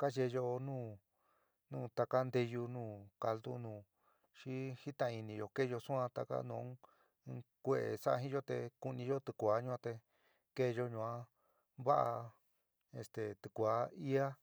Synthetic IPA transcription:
ka˦ʒe˧jo˧nũː˦˨ | nũː˦˧˨t̪a˧ka˦nd̪e˧ju˧nũː˦˨ka˧ld̪ṵ˦nũː˨ | ʃi˦hi˦t̪ã˧i˧nĩ˧jo˧ke˦˧o˧sũ˦ã˧t̪a̰˧ka̰˦nṵ̃˧˦˧ | kʷe˧ʔḛ˨sa˦ʔa˧ɦĩ˦ʒo˦t̪e˧ku˧nĩ˧ʒo˦t̪ɨ˧kʷaː˨˦ɲũ˧ã˧t̪e˧ | ke˦˧ʒo˧ɲũ˧˨ã˦ | βa˦ʔa̰˧ | ḛ˧st̪e˨t̪ɨ˧˨kʷa˨˦i˦a˦

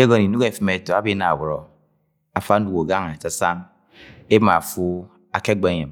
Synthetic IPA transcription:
e˦ɡo˦ni˨nu˦ke˦˨fi˦me˨˦to˨a˦bi˦na̰˨wu˨ɾɔ˨ | a˨fa˦n̩˦du˨ko˨ɡa˦ŋa˨sa˦sa˦ŋ | e˦bma˨fu˦ | a˨ke˦ɡ͡be˨˦ɲe˨m

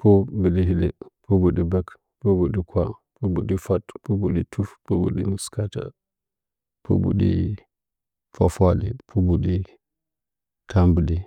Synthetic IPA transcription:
po˦bə˨ɗi˨ɦi˦le˨pʰo˦bu˨ɗi˨ba˦k | po˦bu˨ɗi˨kʰʷa˦pʰo˦bu˨ɗi˨fa˦tpo˦bu˨ɗi˨tʰu˦fpo˦bṵ˨ɗi˨mu˨ska˦ta̰˨ | pʰo̰˦bṵ˨ɗḭ˦ | fa˨fa˦lḭ˨pʰo˦bu˨ɗi˦ | tʰa˦mbə˨ɗi˨

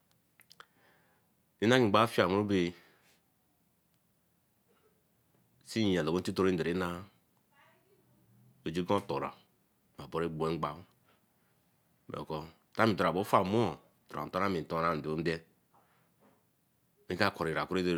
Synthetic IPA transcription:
i˦na˦ŋi˨ɡ͡ba˦fi˦a˨mu˦ɾu˦be˨ | si˦˨a˨lo˨ɡo˦ti˦to˦ɾe˦n̩˨de˨ɾe˨˦na˦ | o˨d͡ʒi˦ɡõ˦to˨ɾa̰˨ | ma˨bo˦ɾe˦ɡ͡bu˨e˦ŋ͡m̩˦ɡ͡ba˨˦ | mḛ˨ko˦ | ta˦mi˨to˨ɾa˨bo˦fa˦˨mo˦o˨ | to˨a̰˨to˦ɾa˦mi˨to˦ɾa˦˨n̩˨de˨o˦n̩˦de˦ | mi˦ka˦˨ko˨ɾi˨ɾa˨ku˦ɾe˦de˦˨

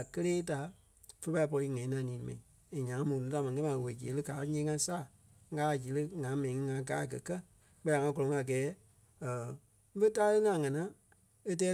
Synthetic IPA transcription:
kə˦leː˦ta˨ | fə˧˦pa˧i˦pɔ˧ɾi˧˦ŋɛ̃˨ĩ˦nã˨˦nĩː˨˦mɛ̰̃˨nĩ˨ | e˨ɲã˨ŋ̃˦mũ˨nũ˨˦ta˨˧˨mã˨˧e˦mã˨we˨d͡ʒe˨˦lɨ˦kaː˨˦ɲẽː˦ŋã˧saː˦˨˦ | ɡaː˦˨d͡ʒi˨˦lɨ˦ŋã˨˦mɛ̃˨nĩ˨ŋĩ˧ŋã˧ɡaː˨˦˨ɡɜ˨kɜ˦ | k͡pɜ˦a˨ŋã˧˦kɔ˧lɔ̃˧ŋ˧a˨ɡɛː˨˦ | ə˨˦ | fə˦taː˦lə˦ŋã˨ŋã˨˧ã˨˦ | e˦˧tɛː˦

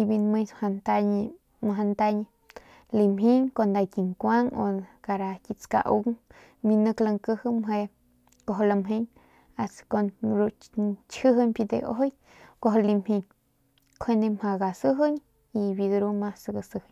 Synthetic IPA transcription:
i˧bi˧nmə˧ɲha˧nt̪a˧ɲ˧ | ma˧ɦa˧nt̪a˧ɲi˧ | li˧mɦi˦ŋko˧nd̪a˧ki˨ŋkʷa˦ŋo̰˧ka˧ɾa˧ki˧t͡ska̰˧ʔṵ˧˦ŋ | bi˧nə˧kla˧ŋkə˦hɨ˦˧mɦe˧ | ko˧ɦla˧mɦi˦ɲ | a˨sko˧nɾu˧t͡ʃhə˦ɦɨ˦˧ɲpi˧d̪ḛ˧ʔo̰˦o˦j | ko˧ɦo˧li˧mhi˧ɲ | kʰwe˧nd̪e˧mha˧ɡa˨sɨ˦ɦə˦ɲ | i˧bi˧d̪ɾu˦ma˧sɡa˧sɨ˧hɲ

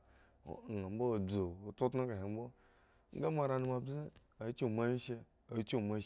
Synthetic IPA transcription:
a˨m̩˦bo˦˨d͡zo˨o˨to˦tna˦ka˨ɦi˨m˦bo˦ | ŋ̩˦ɡa˦ma˨˧ɾa˧nu˧ma˨bi˦ | a˨˦t͡ʃi˦˨ma˧˦i˦ʃe˧ | a˨˦t͡ʃu˦˨ma˨˧˦

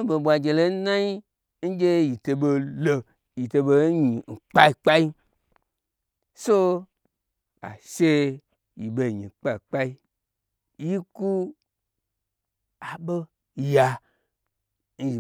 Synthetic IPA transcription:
bo˨ɓʷa˨d͡ʒe˨le˦nã˦i˦ | n̩˦d͡ʒe˦ji˨te˧be˧lə˨ | ji˨te˧be˧˦ɲi˨ŋ̩˨k͡pa˦i˨k͡pa˦i˦ | so˦ | a̰˨ʃe˦ | ji˨ɓe˨ɲḭ̃˨k͡pa˦i˨k͡pa˦i˦ | ji˦ku˦ | a˨ɓə˦ | ja˨ | n̩˦ʒi˨

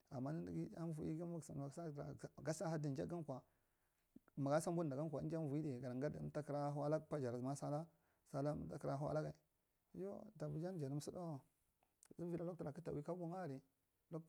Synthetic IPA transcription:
a˨mːa˦ni˦n˦dɡi˦a˦n˦vu˦ḭ˦ɡi˦a˦˨sa˨a˨˦sa˦a˨ɡa˦sa˦ha˦di˨n˦d͡ʒa˦ɡa˦n˦kʷa˨ | ma˨ɡa˦sa˦m˦bu˦˨da˨ɡa˦kʷa˨˦nd͡ʒa˦m˦vu˨i˦de˨ɡa˨ɾa˨ŋɡa˦d̰ta˦kɾa˦ɦwa˦la˦pa˦d͡ʒa˨ɾa˨ma˦sa˦la˦ | sa˦la˦ta˦kɾa˦ɦa̰˦la˦ɡa˨i˨˦ | jo˦ta˨bu˨d͡ʒa˦n˦d͡ʒa˨ɾə˦m˦si˦do˦˨ | zu˦vi˦la˦lo˦tu˨ɾa˨ki˦ta˨wi˦ka˦bu˦ŋa˦˨ɾi˨ | lo˦

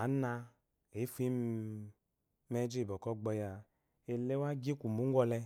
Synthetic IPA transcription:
a˨˦na˧ | e˨˦fi˦ | mɛ˧d͡ʒi˦˨bɔ˨kɔ˦ɡ͡bɔ˧ja˨ | e˧le˦wa˦ɡi˦kʷu˨mu˨˦ɡʷɔ˧lɛ˧

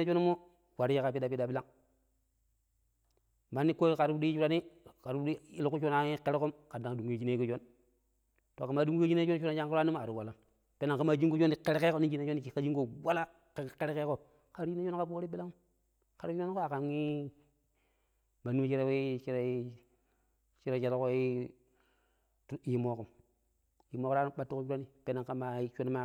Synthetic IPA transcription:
e˦d͡ʒo˦n˦mu˦ | wa˨ɾi˦ji˦ka˨pi˦da˨pi˦da˨bi˦la˦ŋ | ma˨nːi˦ko˦ka˨ɾbu˦di˦ji˦d͡ʒu˦ɾa˦ni˦ka˨ɾu˦di˦i˦lu˨ku˦t͡ʃo˦na˨i˦ke˦ɾi˦ku˦mka˨nda˨ŋ˨du˨ŋɡi˦˨d͡ʒi˦ne˦ku˦d͡ʒo˦n | to˨ka˨ma˨˦du˦ŋɡe˦d͡ʒi˦ne˦t͡ʃo˦na˨d͡ʒa˦ŋku˦ɾa˦ni˦m˨a˨ɾu˨wa˨la˨ | pe˦na˨ŋka˦ma˨d͡ʒi˦ɡu˦t͡ʃo˦ni˨ke˦ɾe˦ke˦ko˦ni˦d͡ʒi˦ne˦o˦ni˨i˨ka˦d͡ʒi˦ɡo˦˨wa˦la˦ | kke˦ɾe˦ke˦ko˦˨ | ka˨˦ɾd͡ʒi˦na˦o˦n˦ka˦po˦ɾi˦bi˦la˦ŋ˦ | ka˨ɾu˦t͡ʃu˦o˦n˦ko˦a˨ka˨ŋi˦ | ma˨nu˦t͡ʃi˦ɾe˦we˦t͡ʃi˦ɾe˦ | t͡ʃi˦ɾe˦t͡ʃa˨ɾa˦ko˦i˦ | tji˦mo˦ku˨m˨ | ji˨mo˦ko˦ɾa˦nu˦ɓa˦tːu˦ko˦t͡ʃu˦ɾa˦ni˦pe˦na˨ŋka˦ma˨˦t͡ʃo˦n˦ma˦

